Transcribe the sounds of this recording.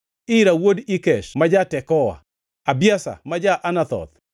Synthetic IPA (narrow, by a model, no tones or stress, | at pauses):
ɪɾawodikɛʃmad͡ʒatɛkɔwa̰ | abjasa̰mad͡ʒaʔanat̪ɔ̰t̪